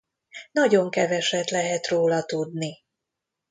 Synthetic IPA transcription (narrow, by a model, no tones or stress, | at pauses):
nɒɟo̞ŋkɛvɛʃɛt̪lɛɦɛt̪roːlɒt̪ud̪ni